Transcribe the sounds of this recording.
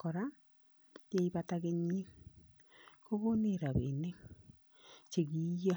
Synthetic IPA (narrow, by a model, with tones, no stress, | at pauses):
kɔ˨ɾa˦ | je˦i˦βa˦taɣe˦ɲi˦ | ko˦βo˦ne˦ɾa˨βe˨ne˦ | t͡ʃe˨ɣi˨˦ja˦